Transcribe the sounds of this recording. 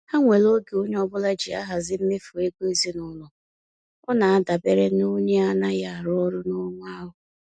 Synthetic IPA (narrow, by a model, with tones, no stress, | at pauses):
ha˦ŋʷe˨lo˦ɡe˨o˦ɲe˦ɔ˦bʊ˦la˦d͡ʒi˨a̰˦ɦa˨zɪ˦m̩˦me˦fu˨e˦ɡe˦˨zi˦nʊ˨lʊ˨ | ɔ˦na˨a˦da˨be˦ɾe˦no˦ɲe˦a˦na˦ja˦˨a˨ɾʊ˦ɔ˦ɾʊ˦nʊ˦ŋʷa˦ɦʊ˨